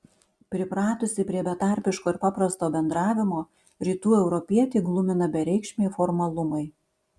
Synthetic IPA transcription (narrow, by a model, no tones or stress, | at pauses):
pʲɾʲɪpɾɑːt̪ʊsʲɪpʲɾʲiɛbʲɛt̪ɑˑɾʲpʲɪʃkoːɪɾpɑːpɾɐst̪oːbʲɛnd̪ɾɑːʋʲɪmoː | ɾʲiːt̪uːɛʊɾɔpʲiɛt̪ʲeːɡlˠʊmʲɪnɐbʲɛɾʲɛɪkʃʲmʲeːfɔɾmɐlˠʊmɐɪ